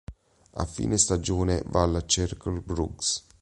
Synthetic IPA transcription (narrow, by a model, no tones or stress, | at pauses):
a̰fːḭːnest̪ad͡ʒoːnevalːat͡ʃɛrkolbɾṵɡs